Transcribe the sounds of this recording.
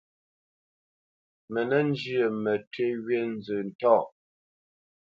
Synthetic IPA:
mɛ˨nɛ˦n˦d͡ʒi˦ə˨mɛ˨te˦ɣɥe˦n̩˦d͡zə˨n̩˨tɔ˦˨

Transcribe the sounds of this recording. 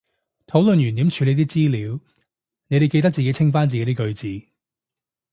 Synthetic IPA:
t̪ʰo˨˥wlɵ˨njyː˨˩nt̪i˨˥mt͡ʃʰyː˨˧le˨˧jt̪̬iː˥t͡siː˥liː˨˧w | ne˨˧jɾe˨jke˧t̪ɐ˥k̚t͡siː˨ke˨˥jt͡sʰɪ˥ŋfaː˥nt͡siː˨ke˧˦˥t̪i˥kɵ˧ɥt͡siː˨˧

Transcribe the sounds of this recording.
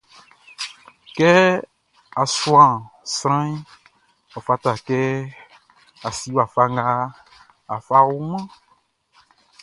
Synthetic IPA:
kɛ˦ | a˨swã˨sɾ̃ã˦ĩ˦ | ɔ˨fa˧t̪a˨kɛ˦ | a˨si˦wa˨fa˦ŋ˦ɡa˦ | a˨fa˦wu˦mã˦

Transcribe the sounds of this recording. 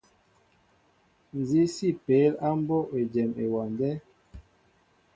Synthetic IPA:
n˨zi˦si˦pe˨˦la˦m˦bɔ˦e˨d͡ʒɛ˨me˨wa˨ndɛ˦

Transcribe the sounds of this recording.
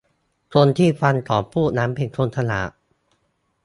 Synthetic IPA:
k̪ʰo˧nt̪ʰiː˥˩fʰa˧nt̪ʰɔː˨˩pʰuː˥˩naː˦˥mpʰe˧nt̪ʰo˧nt̪ʰa˧na̰ː˨˩˦

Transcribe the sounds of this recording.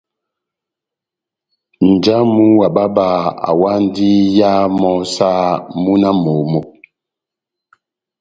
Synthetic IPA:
n̩˨d͡ʒa˦mu˦wa˨ɓa˦ba˨a̰˨wa˦n˦di˦ja˦mɔ˦sa˦mu˦na˦mo˨mo˨

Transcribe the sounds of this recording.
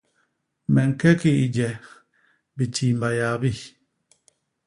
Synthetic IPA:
mɛ˨ŋ̩˨kɛ˦ki˦˨i˨d͡ʒɛ˨ | bi˨ti˨mba˨jaː˨bi˦˨

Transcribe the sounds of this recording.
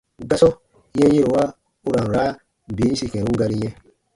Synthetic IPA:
ɡa˦sɔ˦ | jɛ̃˦e˦ɾo˨wa˦ | u˦ɾa˨ɾa˨˦˨ | biː˨˦si˨kɛ̃˨ɾũ˦ɡa˧ɾi˦ɲɛ̃˦

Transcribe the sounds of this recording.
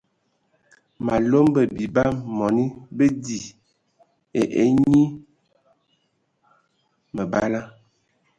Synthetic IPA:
ma˨lo˦mbə˨bi˨ba˦mɔ˨ni˦bə˦di˨ | e˨ʔḛ˨˦ɲi˦ | mə˨ba˦la˦

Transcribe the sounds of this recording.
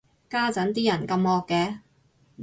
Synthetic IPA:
kaː˥t͡sɐ˨˥nt̪̬iː˥jɐ˨˩nkɐ˧mɔː˧kːɛː˧

